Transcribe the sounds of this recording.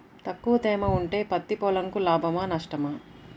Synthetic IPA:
t̪ɐkːuʋɐt̪ɛːmɐuɳʈe̞ːpɐt̪ːipɔlɐŋkulaːbʱɐmaːnɐʂʈɐmɐ

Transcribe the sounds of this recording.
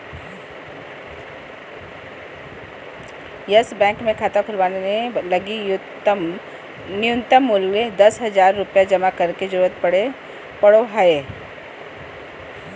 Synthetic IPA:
jɐsbɛ̃ːŋkmẽkʰaːt̪akʰʊlʋaːnenelɐɡi | nɪjʊnt̪əmːʊled̪ɐsɦɐd͡ʒaːɾːʊpjad͡ʒɐmakɐɾked͡ʒɐɾuːɾət̪̚pɐɽe | pɐɽoɦae

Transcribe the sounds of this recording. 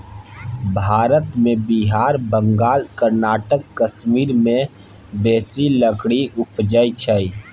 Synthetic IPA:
bʱaːɾət̪mẽbiɦaːɾbə̃ŋɡaːlkəɾnaːʈəkːəʃmiːɾmẽ | beːsiləkɽiʔʊpd͡ʒəit͡ʃʰəi

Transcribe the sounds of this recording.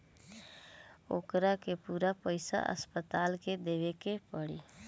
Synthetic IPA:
o̰ːkɾakepuːɾapəɪsa̰ʔə̰spət̪aːlked̪eːʋekepəɽiː

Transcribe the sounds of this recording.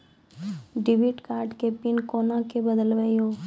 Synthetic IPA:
ɖɪbiʈkaːɾɖkepɪnkoːnãkebəd̪əlʋəioː

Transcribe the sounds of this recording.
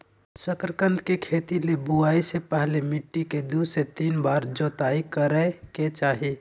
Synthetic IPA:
səkɾəkə̃nd̪kekʰeːt̪ilebuaːisepɛɦlemɪʈːiked̪uset̪iːnbaːɾd͡ʒɔːt̪aːikəɾəket͡ʃaːɦi

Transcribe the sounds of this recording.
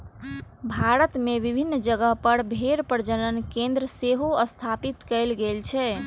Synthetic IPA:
bʱaɾət̪meʋibʱinːd͡ʒəɡəɦpəɾbʱeɾpəɾd͡ʒənənkẽnd̪ɾəseɦoəst̪ʰapit̪kəlɡelt͡ʃʰɛ

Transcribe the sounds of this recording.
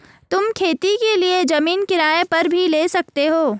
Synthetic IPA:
t̪ʊmkʰeːt̪ikelied͡ʒɐmiːnkɪɾaːepɐɾbʱileːsɐk̚t̪eɦoː

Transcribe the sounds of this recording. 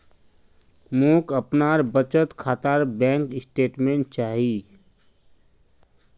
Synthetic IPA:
muːkəpnaːɾbət͡ʃət̪kʰaːt̪aːɾbɛ̃ːŋkɪsʈeːʈmẽɳʈ̚t͡ʃaːɦiː

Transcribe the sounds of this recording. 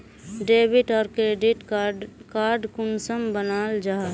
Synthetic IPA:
ɖeːbɪʈɔːɾkɾeːɖɪʈkaːɾɖkʊnsəmbənaːld͡ʒaː

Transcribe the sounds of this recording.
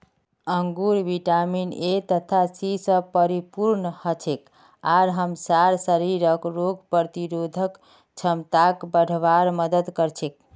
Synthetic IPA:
əŋɡuɾbiʈaminet̪ət̪ʰasisəpəɾipuɾnhət͡ʃʰek | aɾɦəmsaɾsəɾiɾəkɾoɡ̚ʱpəɾt̪iɾod̪ʱək | t͡ʃʰəmt̪akbəɽ̤ʱʋaɾməd̪əd̪kəɾt͡ʃʰek̚

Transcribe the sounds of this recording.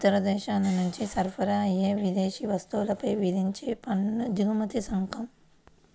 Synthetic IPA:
ut̪ɐɾɐd̪ɛːʃaːnɐnuɲt͡ʃisɐɾpʰɐɾɐːjːeːʋid̪eːʃiʋɐst̪uwlɐpɐjʋid̪ʱiɲt͡ʃeːpɐnːud͡ʒ̪uːmɐt̪isɐŋkʰɐm

